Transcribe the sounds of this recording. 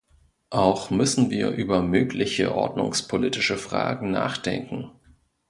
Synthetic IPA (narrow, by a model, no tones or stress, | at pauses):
ʔaʊxmʏsn̩viːɐʔyːbɐmøːklɪçə̰ʔɔ̰ɐdnʊ̰ŋspʰoliːtɪʃəfʁ̥a̰ːɡŋ̩na̰ːχd̥ɛ̰ŋkŋ̩